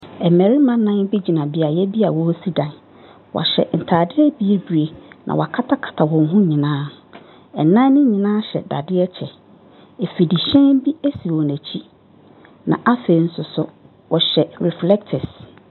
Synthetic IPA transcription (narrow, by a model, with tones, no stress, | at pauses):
ɛ˨mɛ̃˨ɾi˦mã˦nã˦n˦bi˦d͡ʑi˨nã˨bɪ˨a˨jɛ˦bi˦a˨wɔ˦si˦dã˨n | wʔɔ̰˨ɕɛ̰˨n̩˨tʰaː˨dɪ˦ɛ˦bi˦e˦bɥe˨nʔã̰˨w̰a˨kʰa˦tʰa˦kʰḁ˨tʰa˨wɔ̃˨ŋ˦ɦʊ̃˦ɲĩ˨nãː˦ | ɛ˨nã˦n˦nʊ̃˦ɲĩ˨nãː˦ɕɛ̰˨da˨dɪ˦ɛ˦t͡ɕʰɛ˨ | e˨fi˨di˨ɕɛ̃˦nbi˦æ˦si˨ɔ˨næ̃˨t͡ɕʰi˦ | nã̰˨ʔa˦fe˨n̩˦sʊ˨sʊ˦ | wɔ˨ɕɛ˨ɾɛ˨flɛ˦ktʰɛ˨s